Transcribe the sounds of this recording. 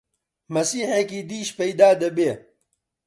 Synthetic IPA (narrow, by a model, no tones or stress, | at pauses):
mɐsiːħekiːd̪iːʃpɐjd̪aːd̪ɐbeː